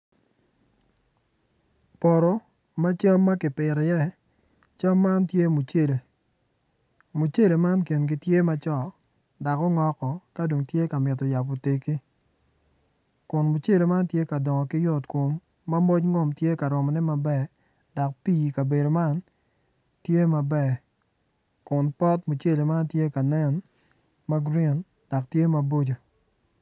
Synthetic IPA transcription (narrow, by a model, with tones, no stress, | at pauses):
pɔ˨ɾɔ˨ | ma˦t͡ʃa˦mːa˦kɪ˨pɪ˨ɾɛ˨jɛ˦˨ | t͡ʃa˦mːa˦ntje˦mu˨t͡ʃe˦le˨ | mu˨t͡ʃe˦le˨ma˦nki˨nɡɪ˨tje˦ma˦t͡ʃɔ˦˨ | da˨kɔ˦ŋɔ˦kɔ˨ka˦do˨ŋtje˦ka˨mɪ˨t̬ɔ˨ja˨pɔ˨te˨ki˦ | kʊ˨nmu˨t͡ʃe˦˨le˨ma˦ntje˦ka˨dɔ˨ŋɔ˨kɪ˦jɔ˦tko˨mː | a˦mo˦t͡ʃŋo˦mtje˦ka˨ɾɔ˨mɔ˨nɛ˦ma˨bɛ˦ | da˨k̚piː˦˨ka˨be˨do˨ma˦n | tje˦ma˨bɛ˦˨ | kʊ˨npɔ˦tmu˨t͡ʃe˦le˨ma˦ntje˦ka˨nɛ˦n | ma˦ɡɾi˦n | d̥ɔ˨k̚tje˦ma˨bo˦d͡ʒo˨